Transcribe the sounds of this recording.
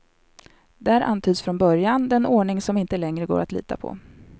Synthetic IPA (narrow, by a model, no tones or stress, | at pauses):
d̪ɛæːɾʔa̰nt̪ʰyːd̪sfɾɔnbœɾjand̪ɛnoːɳɪŋsɔmɪnt̪əlɛŋɾəɡo̰ːɾʔat̪lḭːt̪ʰa̰pʰɔ̰